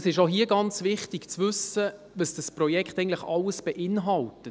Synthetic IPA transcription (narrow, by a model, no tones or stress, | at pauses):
sɪʃoɦiəɡɑnt͡sʋɪχtɪɡ̥t͡sʋʏsə | ʋəsd̥əsprɔjɛkχtɛɪɡŋntləχɑlːəsb̥ɛʔɪnɦɑltə